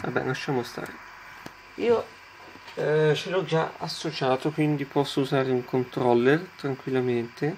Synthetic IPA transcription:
va̰bːɛ̰laʃːaːmost̪a̰ːɾe | iːo | t͡ʃelɔd͡ʒa̰a̰sːot͡ʃaːt̪okwind̪ipɔsːouzaːɾeuŋkʰont̪ɾɔlːert̪ɾaŋkwilːament̪e

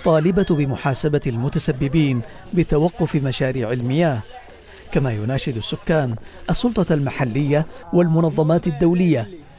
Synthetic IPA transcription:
t̪ˤːɑːlɪbabɪmʊħaːsabalmʊt̪asabːɪbiːn | bɪt̪awɑqːʊfɪmaʃaːɾiːʕalmɪjaːh | kamaːjʊnaːʃɪd̪asːʊkːaːnʔɑsːʊlt̪ˤɑlmaħalːɪjːawalmʊnɑðˤːɑmaːt̪ad̪ːawlɪjːa

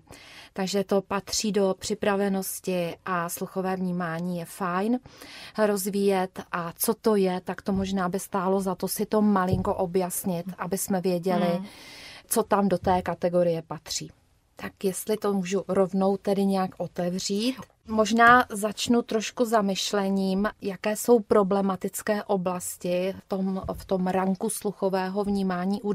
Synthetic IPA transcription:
t̪aɡʒɛt̪o̞pat̪r̝̥iːdo̞pr̝̥ɪpɾavɛno̞scɪʔasluxo̞vɛːvɲiːmaːɲiːjɛfajnɾo̞zviːjɛt̪ʔat͡so̞t̪o̞jɛt̪akt̪o̞mo̞ʒnaːbɪst̪aːlo̞zat̪o̞sɪt̪o̞malɪŋko̞ʔo̞bjasɲɪt̪ʔabɪsmɛvjɛɟɛlɪ | t͡so̞t̪amdo̞t̪ɛːkat̪ɛɡo̞ɾɪjɛpat̪r̝̥iː | t̪akjɛst̪lɪt̪omuːʒuɾo̞vno̞wt̪ɛdɪɲɛjakʔot̪ɛvr̝iːt̪ | moʒnaːzat͡ʃnut̪ɾo̞ʃkuzamɪʃlɛɲiːmjakɛːso̞wpɾo̞blɛmat̪ɪt͡skɛːʔo̞blascɪft̪omft̪o̞mɾaŋkusluxovɛːɦo̞vɲiːmaːɲiːʔu

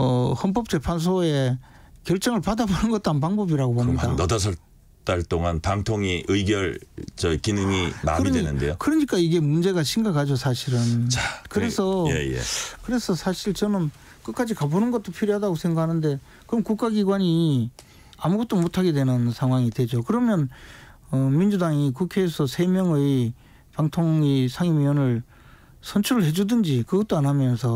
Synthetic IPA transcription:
ʌhʌnp̬͈ʌp̚t͡ɕ͈e̞pʰans̬ʰoe̞ | kjʌɭt͡ɕ͈ʌŋɯɭpadabonɯnɡʌt͈̚oɦanpaŋbʌbiɾaɡobomidanʌdas̬ʰʌɭ | t͈aɭt͈oŋanpaŋtʰoŋiʔɯjɡjʌɭt͡ɕʌikinɯŋima̰midwenɯ̰nde̞jokɯɾʌɲik͈aiɡe̞mund͡ʑe̞ɡaɕʰiŋɡakʰad͡ʑosʰaɕʰiɾɯnt͡ɕakɯɾe̞sʰʌḛjḛkɯɾe̞sʰʌsʰaɕʰiɭt͡ɕʌnɯn | k͈ɯt̚k͈ad͡ʑikabonɯnɡʌt͈opʰiɾjoɦadaɡosʰeŋɡakʰanɯnde̞ | kɯɾʌmkuk͈aɡiɡwaɲi | amuɡʌt͈̚omotʰaɡe̞dwe̞nɯnsʰaŋɦwaŋidwe̞d͡ʑokɯɾʌmjʌn | ʌmind͡ʑudaŋik̬ukʰe̞ːsʰʌsʰe̞mjʌŋɯ | paŋtʰoŋisʰaŋimiʌnɯɭ | sʰʌnt͡ɕʰuɾɯɭhe̞d͡ʑudɯnd͡ʑikɯɡʌt͈oanɦamjʌnsʰʌ

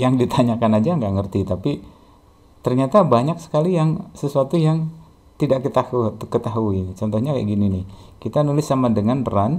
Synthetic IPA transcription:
jaŋdit̪aɲakanad͡ʒaŋɡaʔŋərt̪it̪api | t̪ərɲat̪abaɲaksə̥kalijaŋsəsuat̪ujaŋ | t̪idaʔkət̪ahukət̪aɦuit͡ʃɔnt̪ɔhɲakaaʔɡininɪhkit̪anulɪsːamadəŋanbəɾan

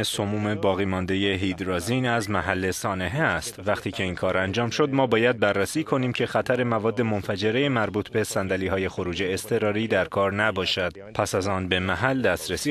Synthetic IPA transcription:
esomuːme̞bɒːɣiːmɒnd̪e̞je̞ɦiːd̪ɾɒːzinæzmæɦælːe̞sɒːne̞ɦeæst̪væxt̪ʰiːcʰe̞iːnkʰɒːɾænd͡ʒɒːmʃo̞d̪mɒːbɒːjæd̪̚bærːæsiːkʰo̞niːmcʲʰe̞xæt̪ʰæɾe̞mævɒːd̪ːe̞mo̞nfæd͡ʒe̞ɾe̞jemæɾbuːt̪ʰbe̞sænd̪æliːɦɒːje̞xo̞ɾuːd͡ʒe̞ːst̪ʰe̞ɾɒːɾiːd̪æɾkʰɒːɾnæbɒːʃæd̪̥ | pʰæsæzɒːnbe̞mæɦæld̪æst̪ɾesiː

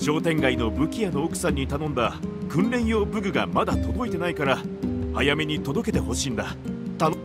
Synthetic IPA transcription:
ɕo̞ːt̪ẽ̞ŋɡaino̞bɯ̟kʲijano̞ːkɯ̟̥sãɲ̟ːit̪anõ̞nd̪akɯ̟̃nɾẽ̞ɰ̃jo̞ːbɯ̟ɡɯ̟ɡamad̪at̪o̞d̪o̞it̪e̞naikaɾahajame̞ɲ̟it̪o̞d̪o̞ke̞t̪e̞ɦo̞ɕiːnd̪at̪an

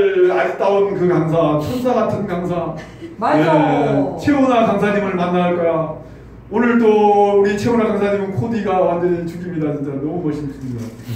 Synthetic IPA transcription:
ɭat͈aonkɯkaŋsʰat͡ɕʰonsʰaɡatʰɯnkaŋsʰa | aje | t͡ɕʰeunakaŋsʰaɲimɯɭmanːaɭk͈ʌja | onɯɭt͈ouɾit͡ɕʰeunakaŋsʰaɲimɯnkʰodiɡawand͡ʑʌnit͡ɕuɡimɲidat͡ɕint͡ɕ͈anʌmumʌɕʰimsʰumɲida

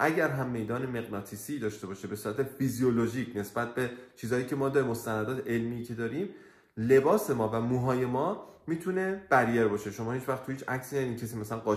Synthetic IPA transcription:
ʔæɟæɾɦæmːe̞jd̪ɒːne̞me̞ɣnɒːt̪ʰisiːd̪ɒːʃt̪e̞bɒːʃebe̞suːɾæt̪ʰefizijoloʒiːcʰne̞sbæt̪̚be̞t͡ʃʰiːzɒːjiːcʰemɒːd̪ɒːɾimo̞st̪ænæd̪ɒːt̪ʰee̞lmiːcʰe̞d̪ɒːɾiːm | le̞bɒːse̞mɒːvæmuɦɒːje̞mɒːmiːt̪ʰune̞b̥æɾijeɾbɒːʃe̞ʃo̞mɒːhit͡ʃvæxt̪ʰuiːt͡ʃʰæcsiːnæd̪iːcʰes̬iːmæsælænɢɒː

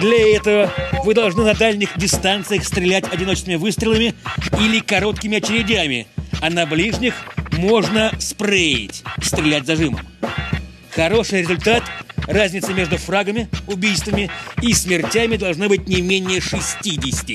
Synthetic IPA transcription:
d̪lʲɐɛt̪əvəvɨd̪ɐlˠʐnɨnɐd̪alʲnʲɪxdʲɪst̪ant̪sɨjəxst̪ɾʲɪlʲætʲɐdʲɪno̞t͡ɕɪsəmʲɪvɨst̪ɾʲɪlˠəmʲɪilʲɪkɐɾo̞t̪kʲɪmʲɪɐt͡ɕɪɾʲɪdʲæmʲɪ̰ɐnɐblʲiʐnʲɪxmo̞ʐnəspreɪ̰tʲst̪ɾʲɪlʲætʲzɐʐɨmə̰m | xɐɾo̞ʂɨjɾʲɪzʊlʲt̪at̪razʲnʲɪt̪səmʲe̞ʐd̪ʊfraɡəmʲɪʊbʲijst̪vəmʲɪismʲɪrtʲæmʲɪd̪ɐlˠʐnɨbɨtʲnʲɪmʲenʲɪjəʂɨsʲtʲidʲɪsʲtʲɪ

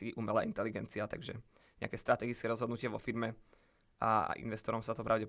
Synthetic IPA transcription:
iʔumɛlaːʔint̪ɛliɡɛnt͡siat̪a̰ɡʒɛ | ɲɛ̰a̰kɛːst̪ɾat̪ɛɡit͡skɛɾɔzɦɔd̪nucɪɛʋɔfiɾmɛ | a̰ʔḭnʋɛst̪ɔɾɔmsat̪ɔpɾaʊɟɛp

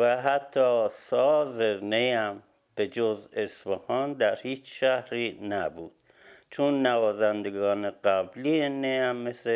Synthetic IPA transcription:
væɦæt̪ʰːɒːsɒːzenejæm | b̥ed͡ʒozesbehɒːnd̪æɾhiːt͡ʃʃæhɾiːnæbuːd̪̥ | t͡ʃʰonːævɒːzænd̪eɡɒːneɢæblienejæmːese

